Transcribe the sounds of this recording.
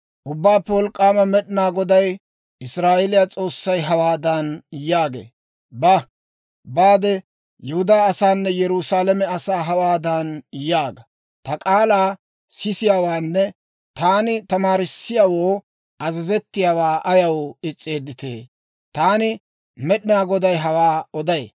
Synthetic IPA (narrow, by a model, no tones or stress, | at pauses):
ʔʊbːaːpːɛwɔlkʼːaːmɐmɛɗɪnaːɡɔd̪ɐj | ʔɪsɾaːʔɛlɪjat͡sʼo̞ːsːɐjɦɐwaːd̪ɐnjaːɡḛː | bɐ | baːd̪ɛ | jɛhʊd̪aːɐsaːnːɛjɛɾusaːlɛmɛɐsaːɦɐwaːd̪ɐnjaːɡɐ | t̪ɐkʼaːlaː | sɪsɪjaːwaːnːɛ | t̪aːnɪt̪ɐmaːɾɪsːɪjaːwoː | ʔɐzɐzɛt̪ːɪjaːwaːʔɐjɐwɪt͡sʼːeːd̪ːɪt̪ḛː | t̪aːnɪ | mɛɗɪnaːɡɔd̪ɐjɦɐwaːɔd̪ɐjḛ